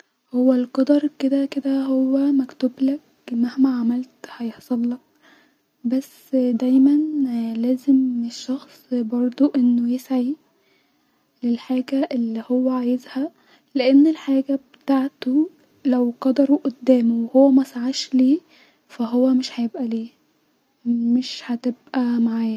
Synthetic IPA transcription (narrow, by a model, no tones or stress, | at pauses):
howːælqɑd̪ɑɾˤked̪æked̪æɦowːæmækt̪oblæk̚ | mæhmæʕamælt̪hɑjeħsˤɑlːɑk̚ | bæsːd̪æjmænlæːzemeʃːɑxsˤbɑɾˤd̪ˤoʔenːojesʕi | lelħaːɡæʔelːihowːæʕajezhæ | leʔenːelħaːɡæbet̪aʕt̪o | læwqɑd̪ɑɾˤuʔod̪ːæːmowehowːæmæsaʕaʃleː | fæɦowːæmeʃhæjebʔæleː | meʃhæt̪ebʔæmaʕaːjæ